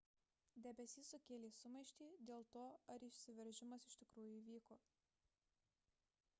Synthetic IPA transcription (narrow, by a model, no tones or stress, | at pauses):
d̪ʲɛbʲɛsʲiːsʊkʲeːlʲeːsʊmɐɪʃʲt̪ʲiːd̪ʲeːlˠt̪oːɐɾɪʃʲsʲɪʋʲɛɾʲʒʲɪmɐsɪʃt̪ʲɪkɾuːjʊiːʋʲiːkoː